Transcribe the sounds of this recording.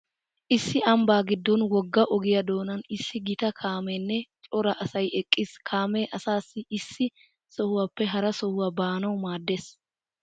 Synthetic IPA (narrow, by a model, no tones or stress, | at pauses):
ʔɪsːɪɐmbaːɡɪd̪ːɔnwɔɡːɐʔɔɡɪjɐd̪o̞ːnɐnɪsːɪɡɪt̪ɐkʰaːmɛnːɛt͡ʃʼɔɾɐʔɐsɐjɛkʼːɪskʰaːmeʔɐsaːsːɪʔɪsːɪ | sɔhʊwapːɛɦɐɾɐsɔhʊwɐbaːnɐwmaːd̪ːeːs